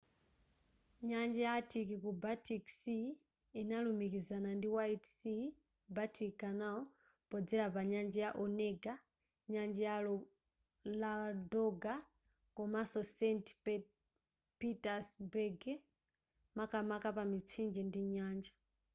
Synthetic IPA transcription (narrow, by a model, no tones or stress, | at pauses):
ɲand͡ʒɛjatʰikikubatʰiksi | inalumikizanandiwaitsi | batʰikikanaɔ | pɔd͡zɛɾapaɲand͡ʒɛjaʔɔnɛɡa | ɲand͡ʒɛjalɔ | ladɔɡa | kɔmasɔsɛnt | pitasbɛɡɛ | makamakapamit͡sʰind͡ʒɛndiɲaːnd͡ʒa